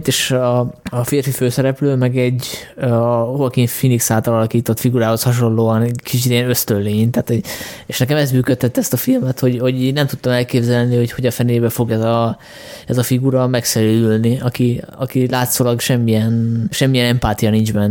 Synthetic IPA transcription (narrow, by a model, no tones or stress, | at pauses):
t̪eːʃɒɒfeːrfiføːsɛɾɛpløːmɛɡɛɟ | oɒkinfiniksaːlt̪ɒlɒlɒkiːt̪o̞t̪fiɡuɾaːho̞shɒʃo̞nloːɒnkit͡ʃit̪ɛnø̞st̪ølleːɲt̪aːt̪hoɟeʃnɛkɛmɛzmyːkøt̪ʰːɛt̪ːɛst̪ɒfilmɛt̪ho̞ɟho̞ɟnɛmt̪ut̪ːɒmɛlkeːbzɛlniho̞cho̞ɟɒfɛneːbɛfo̞ɡɛzɒ | ɛzɒfiɡuɾɒmɛksɛɾyd̪ylniɒkiɒ̰kilaːt̪soːlɒɡʃɛmːijɛnʃɛmːijɛnɛmpaːt̪ijɒnind͡ʒbɛn